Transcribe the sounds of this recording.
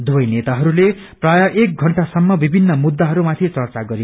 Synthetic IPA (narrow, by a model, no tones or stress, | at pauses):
d̪uʌjnet̪aɦʌɾule | prajʌʔek̚ɡʱʌɳʈasʌmːʌbibʱinːʌmud̪ːaɦʌɾumat̪ʰit͡sʌrt͡saɡʌɾi